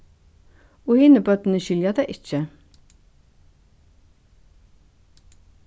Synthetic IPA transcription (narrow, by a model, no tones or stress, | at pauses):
oːhɪnəbœt̪n̩əʃʏljɑd̪eʔɪçə